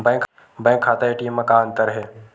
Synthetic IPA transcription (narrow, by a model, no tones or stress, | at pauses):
bɛ̃ːŋkʰ | bɛ̃ːŋkʰːaːt̪aeʈiːmə̃kaə̃nt̪əɾɦɛː